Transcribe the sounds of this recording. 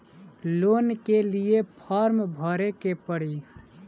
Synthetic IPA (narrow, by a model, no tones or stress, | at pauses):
lonkeliepʰəɾmbʱəɾekepəɽi